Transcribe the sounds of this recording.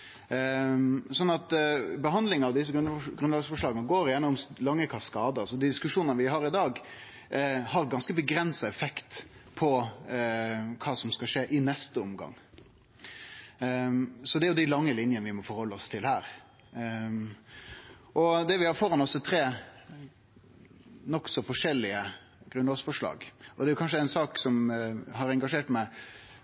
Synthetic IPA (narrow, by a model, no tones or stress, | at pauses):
sɔnɑt̪bəɦɑnd̪lɪŋɑʋd̪ɪs̬əɡɾʉnɑːɡsfɔʂɭɑːɡənəɡoːɾɪjænəʊmlɑŋːəkʰɑfskɑːd̪əsɔd̪ɪd̪ɪskʉʂuːnnəʋɪɦɑːɾɪd̪ɑːɡ | hɑɾɡɑnskəbəɡɾɛnsɑɛfɛkt̪pʰɔ | kʰɑːsɔmskɑʂeːʔɪnɛst̪əɔmɡɑ̰ŋ | sɔd̪ɛæɾjʊd̪ɪlɑŋːəlɪnjənəʋɪmɔfɔɾhɔlːəɔst̪ʰɪlhæːɾ | ʔɔd̪ɛʋɪhɑɾfoːɾɑnɔsːɔt̪ʰɾeː | nɔksɔfɔʂɛlːɪə | ɡ̥ɾʉnɑːsfɔʂlɑ̰ːɡʔɔd̪ɛæɾjʊkɑnʂəæɪnsɑːksɔmɦɑɾɛŋɡɑʂeːʈmæɪ